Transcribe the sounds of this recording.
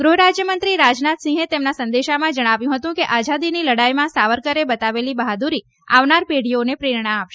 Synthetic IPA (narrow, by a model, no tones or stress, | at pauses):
ɡɾuɦɾad͡ʒjəmənt̪ɾiɾad͡ʒnat̪sĩŋɦet̪emnasənd̪eʃamãd͡ʒəɽ̃aʋjũɦət̪ũkeʔad͡ʒad̪iniləɽajmãsaʋəɾkəɾebət̪aʋelibəɦad̪uɾi | a̰ʋnaɾpeɽionepɾeɾɳ̃aːpʃe